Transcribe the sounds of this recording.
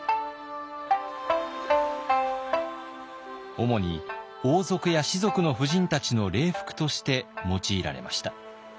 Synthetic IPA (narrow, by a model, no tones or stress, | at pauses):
o̞mo̞ɲ̟ḭ | oːzo̞kɯ̟jaɕizo̞kɯ̟no̞ɸɯ̟ʑĩnt̪at͡ɕino̞ɾe̞ːɸɯ̟̥kɯ̟̥t̪o̞ɕi̥t̪e̞mo̞t͡ɕiːɾa̰ɾe̞̰ma̰ɕi̥t̪a